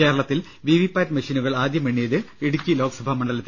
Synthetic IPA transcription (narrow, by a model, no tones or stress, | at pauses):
e̞ːɾɐɭɐt̪ːil | ʋiʋipːaːtmɐʂinuɣɐɭaːd̪jɐmeɳːeðɨeɽukʲːilo̞ːksɐbʱamɐɳɖɐlɐt̪ː